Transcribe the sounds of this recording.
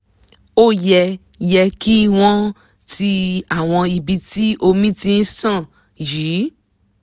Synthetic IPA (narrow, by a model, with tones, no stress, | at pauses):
o˦˨jɛ˧ | jɛ˧ki˦w̃ɔ̃˦ | ti˧a˦˨w̃ɔ̃˧i˨bi˧ti˦ʔo˧mĩ˦ti˧n̩˦sã˦˨ | ji˨˦